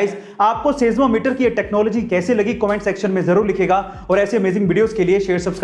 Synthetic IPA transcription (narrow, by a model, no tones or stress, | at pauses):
ɪz | aːp̚koseːzmamɪʈəɾkieʈɛːknɔːlɔːd͡ʒikɛːselɐɡikɔːmɛ̃ːɳʈsɛkʃənmẽzɐɾuːɾlɪkʰeːɡa | ɔːɾɛːseɐmeːzɪ̃ŋɡʋɪɖijoːzkelieʃeːɾsɐbsk